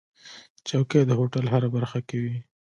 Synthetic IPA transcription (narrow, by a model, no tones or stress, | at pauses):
t͡ʃawked̪əɦoʈalɦaɾabaɾxakewi